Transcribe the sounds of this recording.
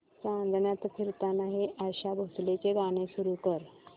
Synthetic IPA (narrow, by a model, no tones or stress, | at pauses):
sãnd̪ʱɳjat̪fʰiɾt̪anaɦeʔaɕabʱoslet͡ɕeɡaɽ̃esuɾukəɾ